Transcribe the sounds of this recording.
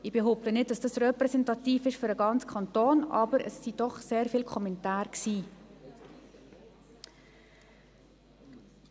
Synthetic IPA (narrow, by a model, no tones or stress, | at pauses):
ʔɪbeɦoʊp̚tənɪt̚d̥ɑsd̥ɑsrɛpɾɛsɛntɑtiːfɪʃfʏɾəɡɑnt͡skʰɑntoːnʔɑ̰ːbəɾə̰sːid̥ɔχseːɾfiːlkʰɔmɛntaːɾksiː